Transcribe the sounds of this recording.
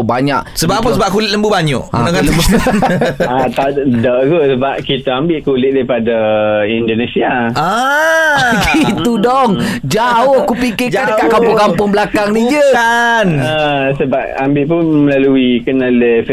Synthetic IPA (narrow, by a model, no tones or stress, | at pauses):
baɲa̰ʔsəbaʔpəsəbap̚kulɪʔləmbubaɲɔʔakanləmbu | at̪adɔʔkusəbap̚kit̪aambɪʔ̚kulɪʔ̚daɾipadaindonesiaʔa | kit̪udɔŋd͡ʒaʊhkupikɪd͡ʒadəkaʔkampʊŋkampʊŋbəlakaŋnid͡ʒəkanəsəbap̚ambɪʔpʊnməlaluikənalef